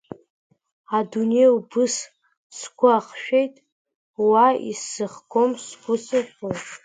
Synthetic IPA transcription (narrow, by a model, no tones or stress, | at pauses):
adunejubɨs | sɡʷaχʃᶣejtʼ | waḭsːɨχɡomsɡʷʊsɨħʲojtʼ